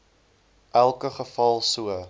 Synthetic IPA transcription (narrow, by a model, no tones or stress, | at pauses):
ʔælˠkəχəfɐlˠsuə